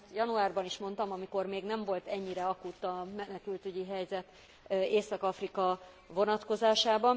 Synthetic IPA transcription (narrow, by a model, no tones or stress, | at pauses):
t̪jɒnuaːrbɒniʃmo̞nt̪ɒmɒmiko̞rmeːɡnɛɱvo̞lt̪ɛɲːiɾɛɒkut̪ːɒmɛnɛkylt̪yɟiɦɛjzɛt̪ | eːsɒkɒfrikɒ | vo̞nɒt̪ko̞zaːʃaːbɒn